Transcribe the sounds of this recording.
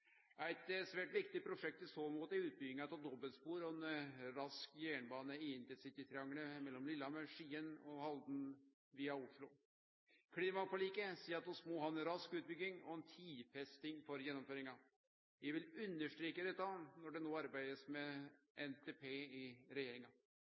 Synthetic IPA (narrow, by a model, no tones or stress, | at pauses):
æɪt̪sʋæːʈʋɪkt̪ɪpʰɾʊʂɛk̚t̪ɪsoːmuːt̪æʉːt̪̚bʏɡɪŋɑt̪ʰɑːd̪ɔbəlspuːɾɔɛnɾɑskjæːɳbɑːnəɪɪnt̪ɛnsɪt̪ɪt̪ʰɾɛɑŋɳəmɛlːɔmlɪlːɑməʂiːənɔhɑld̪n̩ | ʋiːɑʊʂɭʊ | kʰɽiːmɑpʰɔliːkəsiːɾɑt̪d̪ɔsmoːɦɑːɛnɾɑskʉːt̪̚bʏɡːɪŋɔ̰ɛnt̪ʰiːfɛst̪ɪŋfɔɾjɛnːɔmføːɾɪŋɑ | jæɪʋɪlʉnːəʂʈɾiːkəd̪ɛt̪ːɑnɔɖɛnoːɑɾbæɪd̪əsmɛʔɛnt̪ʰeːpʰeːɪɾɛjeːɾɪŋɑ